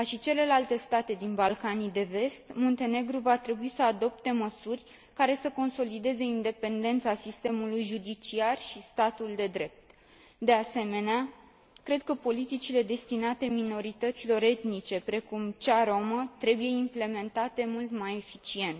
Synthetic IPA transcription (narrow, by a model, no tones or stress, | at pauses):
aʃit͡ʃe̞le̞lalt̪e̞st̪at̪e̞d̪inbalkanid̪e̞ve̞st̪mo̞nt̪e̞ne̞ɡɾuvat̪ɾe̞buisəad̪o̞p̚t̪e̞məsurʲ | kaɾe̞səko̞nso̞lid̪e̞ze̞ind̪e̞pe̞nd̪e̞nt̪sasist̪e̞mulujʒud̪it͡ʃiarʃist̪at̪uld̪e̞d̪ɾe̞p̚t̪ | d̪e̞ase̞me̞nea | kɾe̞d̪̚kəpo̞lit̪it͡ʃile̞d̪e̞st̪inat̪e̞mino̞ɾit̪ət̪silo̞ɾe̞t̪nit͡ʃe̞pɾe̞kumt͡ʃaɾo̞mət̪ɾe̞buje̞imple̞me̞nt̪at̪e̞mult̪maje̞fit͡ʃie̞nt̪